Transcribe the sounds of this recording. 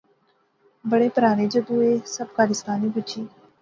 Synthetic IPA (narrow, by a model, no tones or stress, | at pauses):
bəɽepəɾaːned͡ʒəb̪ueːsəbkaːlɪst̪aːnibʊt͡ʃʰiː